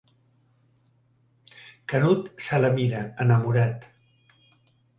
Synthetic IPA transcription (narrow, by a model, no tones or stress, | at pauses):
kənut̪saləmiɾəənəmuɾat̪